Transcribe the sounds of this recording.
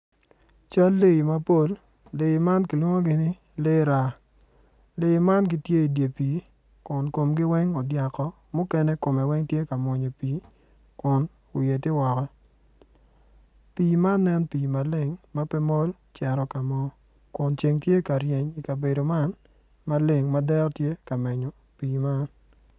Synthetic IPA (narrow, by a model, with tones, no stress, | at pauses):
t͡ʃa˦lːe˦i˨ma˦po˦lː | e˨ma˦nki˨lwo˦ŋo˦ɡɪ˦nɪ˦ | le˦ɾa˦ | le˨˦ma˦nɡɪ˦tje˦i˨dje˨piː˨˦ | kʊ˨nko˨mɡɪ˦wɛ˦ŋɔ˨dja˨kɔ˦ | mʊ˦kɛ˦nɛ˦ko˨mɛ˨wɛ˦ŋtje˦ka˨mwɔ˨ɲo˨piː˨˦ | kʊ˨n | ʊ˨je˨ti˦wɔ˨kɔ˦ | piː˨ma˦nːɛ˦npiː˨ma˨le˦ŋma˦pɛ˦mɔ˦l | t͡ʃɛ˨ɾɔ˨ka˨mɔ˦ | kʊ˨nt͡ʃe˨ŋtje˦ka˨ɾje˨ɲi˨ka˨be˨do˨ma˦n | ma˦le˨ŋma˦dɛ˦ɾtje˦ka˨mɛ˨ɲo˨ | piː˨ma˦n